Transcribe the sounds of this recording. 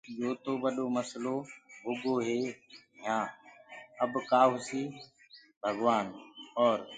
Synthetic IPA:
joːt̪oːɓəɗoːməsloːɦʊɡoːɦeːɦãː | əbkaːɦʊsiː | bʱəɡʋaːnɔːɾ

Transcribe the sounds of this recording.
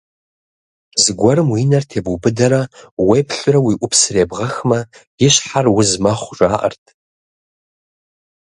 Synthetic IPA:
zɨɡʷɔɾɨmwiːnɐrtʰeːbʊbɨdɐɾɐwejpʰɬʼʊrɐwiːʔʷʊpsɨreːbʁɐxmɐjɪɕħarwʊzmɐχʷʒʷʼaːʔɐ̰rtʰ

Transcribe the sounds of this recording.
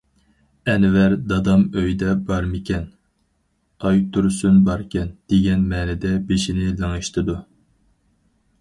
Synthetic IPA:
ɛnvæɾd̪ɑd̪ɑmøjd̪ɛbɑɾmɪkʲɛn | ɑjt̪ʰuɾsunbɑɾkʲɛnd̪̥eɡʲɛnmɛːnɪd̪ɛbeʃinɪlɨŋɨʃt̪ʰɨd̪u

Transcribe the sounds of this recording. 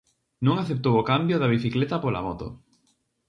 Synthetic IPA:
nũŋaθep̚t̪owokambjoðɐβiθiklet̪ɐpola̰mɔt̪o̰

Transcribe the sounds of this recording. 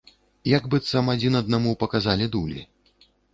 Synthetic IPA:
jaɡbɨt̪sɐmad͡zʲinɐd̪̚namupɐkazalʲid̪ulʲḭ

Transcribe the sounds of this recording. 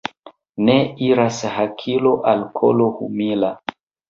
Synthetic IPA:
neiɾashakʰiloʔalkʰo̰lohṵmila

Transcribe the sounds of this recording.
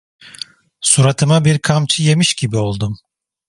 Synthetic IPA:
suɾat̪ʰɯmabiɾkʰamt͡ʃʰɯje̞miʃɟibio̞lˠd̪um

